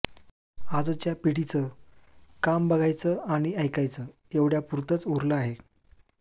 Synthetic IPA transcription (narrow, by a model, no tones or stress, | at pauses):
ad͡zət͡ɕjapiɽit͡sə | kambəɡʱajt͡səaɽ̃iəjkajt͡sə | eʋɽjapuɾt̪ət͡soɾləaɦe